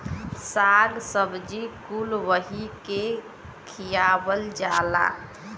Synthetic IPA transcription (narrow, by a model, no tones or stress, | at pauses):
saɡsəbd͡ʒikulʋəɦike | kʰijabəld͡ʒala̰